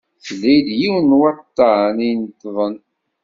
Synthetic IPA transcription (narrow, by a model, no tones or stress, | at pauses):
θlːæjd̪jiwnwɑt̪ˤːɑʕnint̪ːðˤən